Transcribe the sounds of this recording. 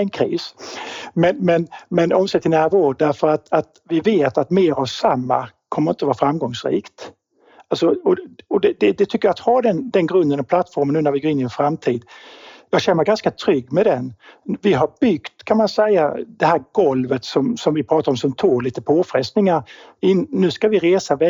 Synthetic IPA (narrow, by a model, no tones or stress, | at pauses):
ɛnkʰɾiːs | mɛnmɛnmɛnɔmseɛt̪ʰɪlnæːɾvoːɾd̪æɾfœɾat̪at̪vɪveːt̪at̪meːɾavsamːa̰kʰɔməɾɪnt̪əɔvɑːɾfɾamɡɔŋsɾḭːkt̪ | alsɔɔɔd̪ɛd̪ɛd̪ɛt̪ʰʏkːəɾjat̪had̪ɛnd̪ɛnɡɾɵnd̪ənɔpʰlat̪ːfɔɾmənːʉnaɾvɪɡoːɾɪnɪɛnfɾamt̪ʰiːd̪jɑːɡɕɛnːəɾɡanskat̪ʰɾʏɡːmɛd̪ɛnvɪɦaɾbʏɡ̥t̪kʰanmansɛjːad̪ɛhæːɾɡɔlvət̪sɔmsɔmvɪpʰɾɑːt̪aɾɔmsɔmt̪ʰoːliːt̪əpʰoːfɾɛst̪nɪŋaɾɪnːʉ̟ːskavɪɾeːsavɛ